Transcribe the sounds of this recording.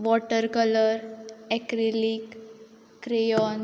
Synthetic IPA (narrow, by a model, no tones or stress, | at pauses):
ʋɔʈəɾkələɾɛkɾelikː | ɾejɔn